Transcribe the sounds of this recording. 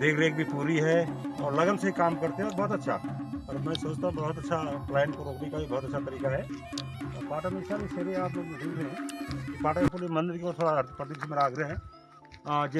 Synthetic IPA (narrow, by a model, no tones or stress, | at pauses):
d̪eːkʰɾeːk̚bʱipuːɾiɦɛɔːɾlɐɡənseɦikaːmkɐɾt̪eɦɛ̃ɔːɾbɔɦːt̪ɐtːʃʰaɐɾmɛ̃ːsoːt͡ʃt̪ãɦũbɔɦʊt̪ɐtːʃʰaplɛːnkoɾoːknekaibɔːt̪ɐtːʃʰat̪ɐɾiːkaɦɛ | ɔpaːʈamesaɾiseɾeaːploɡdʱɪɡɛ̃kipaːʈamepulemɐ̃nd̪ɪɾkeoɾt̪ʰoːɽaɐɾt̪ʰpɾəd̪ipsmeɾaːɡɾəɦɛ̃ | d͡ʒe